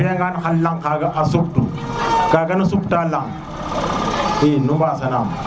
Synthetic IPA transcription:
eŋɡanxalːaŋkaɡaʔasuk̚tu | kaɡɐnasuktaːlaŋ | inubaːsɐnam

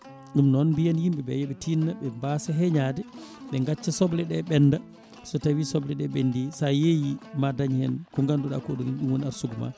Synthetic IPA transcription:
ɗumnɔnbijanhimɓɛɓɛjeɓitinːaɓɛmbasaɦɛɲaːdɛɓɛŋɡat͡ʃːasɔblɛɗɛɓɛnːda | sɔtawisɔblɛɗɛɓendisajejimadaɲhɛ̰nkɔŋɡanduɗa̰koɗuminɗumwoniaɾsuɡuma̰

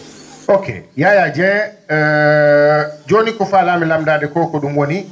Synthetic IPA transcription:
okʰḛjajad͡ʒɛ̃ | d͡ʒoːnikɔfaːlamɛlamdaːdɛkɔːkɔɗumwoni

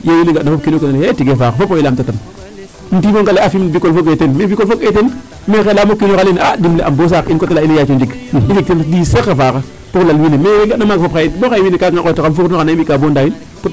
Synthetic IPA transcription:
jewiliŋɡanafop̚kinokaaljatiɡefaːkafopoilamtatan | n̩tiboŋkaleafimbikolfoketenmebikolfoketen | mexelamokːinokalinadimleʔambos̬akinkotalailejat͡ʃond͡ʒik | ifik̚tendisakːafaka | puklalwinemeeɡanamaɡfopxaibokaiminikaŋaojtakanfuknokanamikabondajin | put

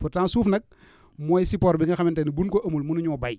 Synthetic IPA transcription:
purtaːnsuːfnɐk̚ | mɔːjsipɔɾbiŋɡɐxɐmɛntɐnibunkɔʔɐmulmunuɲuɔbaj

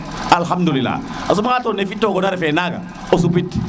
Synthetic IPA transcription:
alɦamdulila̰ | as̬umaŋatɔnefitːɔkɔnaɾɛfɛnaka̰ | os̬upit

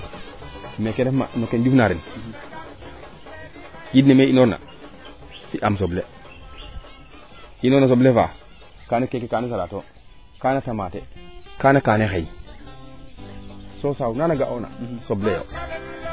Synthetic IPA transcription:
mekenefma̰mekend͡ʒufnaɾin | ɡidnemeinoɾna̰ | tiʔams̬oble | inoɾnas̬obleva̰ | kanekekekanes̬alato | kanatamatḛkanakanexei | sosaunanaɡaʔona̰soblejo̰

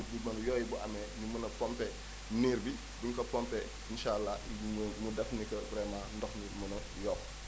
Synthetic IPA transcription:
diɡ̚mɐnjɔːjibuʔamɛnimunɐpɔmpɛ | niːɾbi | biŋkɐpɔmpɛ | inʃalːamudɐfnikɐbɾɛːmandɔxnimɐnɐ | jɔːp

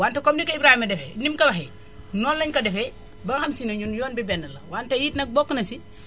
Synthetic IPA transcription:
waːntɐkɔmdikɐibɾaːhimɐdɛfɛnimkɐlɐxɛ | nɔːnlɐɲkɐdɛfɛ | bɐŋxɐmsinɐɲunjɔːnbibɛnːɐlɐ̰waːntɐjiːtnɐk̚bɔkːənɐsi

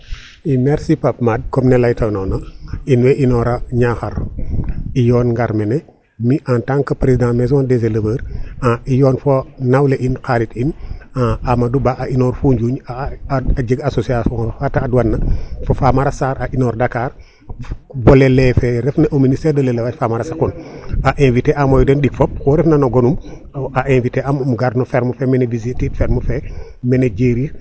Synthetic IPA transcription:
imɛɾsipap̚mad̚kɔmnɛlɐjtʰɐnɔːnoinwɛʔinɔɾɐɲaxɐɾ | ijɔːnŋɡaɾmɛnɛ | miʔantaŋkɐpɾezidãmɛzɔndezeləbəːɾaʔijɔːnfonawleʔinkaɾitinaamɐdubaʔɐʔinɔːɾfuɲd͡ʒuɲ | aɟəɡasosiasɔŋɾofataːduwanːɐfofamaɾasaːɾaʔinoːɾdakaɾ | bolelefɛɾɛfnɐʔuministeɾdɐlelewafamaɾasakunaʔenviteʔamoːjudɛnɗik̚fop̚kuɾɛfnɐnoɡonum | aʔẽnviteʔammuɡaɾnofeɾmufemɛnevizititfɛɾmufe | mɛneɟeːɾi

